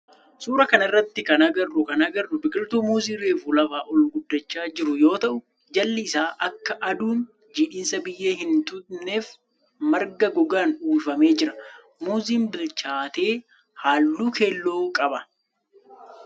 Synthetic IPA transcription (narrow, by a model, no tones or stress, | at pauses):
suːɾɐkɐnɪrːɐt̪ːɪkɐnɐɡɐrːʊkɐnɐɡɐrːʊbɪkʼɪlt̪uːmuːziːɾe̞ːfuːlɐfaːʔɔlɡʊd̪ːɐt͡ʃːaːd͡ʒɪɾʊjo̞ːt̪ɐʔʊ | d͡ʒɐlːɪɪsaːʔɐkːɐʔɐd̪uːn | d͡ʒiːᶑiːnsɐbɪjːe̞ːɦɪnt̪ʊne̞ːf | mɐɾɡɐɡɔɡaːnuːfɐme̞ːd͡ʒɪɾɐ | muːziːnbɪlt͡ʃaːt̪e̞ː | haːlːuːkʰeːlːoːkʼɐbɐ